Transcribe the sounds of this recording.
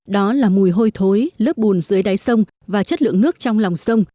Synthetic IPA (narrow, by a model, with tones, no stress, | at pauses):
ɗɔ˨˦laː˨˩mu˨˩jɦo˧jt̪ʰo˨˦jləː˦˥p̚ɓu˨˩nzɨ˨˦jɗa˨˦jsə˧wŋ͡m | vaː˨˩t͡ɕə˦˥t̚lɨ̰˧˨əŋnɨ˦˥ək̚t͡ɕɔ˧wŋ͡mla˨˩wŋ͡msə˧wŋ͡m